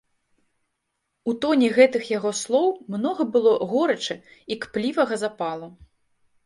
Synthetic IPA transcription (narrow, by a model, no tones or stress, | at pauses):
ut̪ɔnʲɛɣɛt̪ɨxjaɣɔslˠɔwmnɔɣɐbɨlˠɔɣɔɾɐt͡ʂɛikplʲivɐɣɐzapalˠu